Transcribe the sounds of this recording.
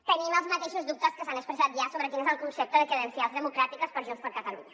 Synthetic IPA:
t̪ənimɛlˠzmɐt̪eʃuzðup̚t̪ɐskəsanəkspɾəsat̪ʒasoβɾɐk̪inzaũŋkunsep̚t̪oðəkɾəðensjalˠzðəmukɾat̪ikɐspəɾʒionspəɾkɐt̪ɐlṵɲɐ

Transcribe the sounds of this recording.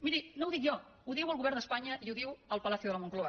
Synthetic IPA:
miɾinowðikʒɔ | uðiwəlˠɣuβɛɾnd̪əspaɲəʔiuðiwəlˠpəlaθjuðələmuŋkloə

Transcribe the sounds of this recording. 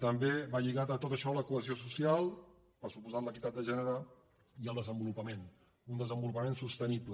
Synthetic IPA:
t̪əmbeβaʎiɣat̪ət̪ot̪əʃɔləkuəziosusialˠ | pəsupuzat̪ləkit̪at̪̚d̪əʒɛnəɾa | iəlˠd̪əzəmbulupəmen | und̪əzəmbulupəmensust̪əniplə

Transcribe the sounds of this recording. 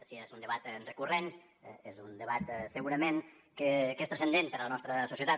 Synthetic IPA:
siezund̪əβat̪nrəkuren | ezund̪əβat̪səɣuɾəmen | kəkest̪ɾəsənd̪enpəɾələnɔst̪ɾəsusiət̪a

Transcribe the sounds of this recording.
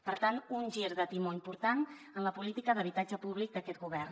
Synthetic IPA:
pəɾt̪anunʲʒiɾðət̪imoimpuɾt̪anənləpulit̪ikəðəβit̪ad͡ʒəpuβlik̚d̪əkɛt̪ɡuβɛrn

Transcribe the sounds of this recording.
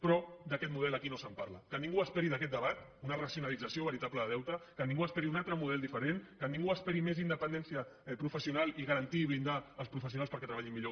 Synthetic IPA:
pɾɔd̪əkɛt̪muð̞ɛləkinosəmpaɾlə̰kənĩŋɡuəspɛɾiðəkɛt̪̚d̪əβat̪unərəsiunalid͡zəsioβəɾit̪apləðəðɛwt̪əkəniŋɡuəspɛɾiunalˠt̪ɾəmuð̞ɛlˠd̪ifəɾenkənĩŋɡuəspɛɾimezind̪əpənd̪ɛnsiəpɾufəsiunalˠiɣəɾənt̪iβind̪aːlˠspɾufəsiunalspəɾkɛt̪ɾəβaʎimːiʎo

